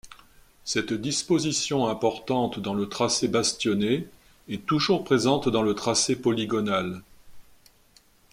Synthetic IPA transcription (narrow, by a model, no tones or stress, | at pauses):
sɛt̪d̪ispozisjɔ̃ɛ̃pɔʁt̪ɑ̃t̪d̪ɑ̃lət̪χasebast̪jɔne | ɛt̪uʒuʁpχezɑ̃t̪d̪ɑ̃lət̪χasepɔliɡɔnal